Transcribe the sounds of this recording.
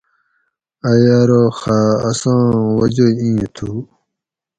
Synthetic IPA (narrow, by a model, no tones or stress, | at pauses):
ajaɾoxaːsãːwɐd͡ʑeĩːt̪ʰu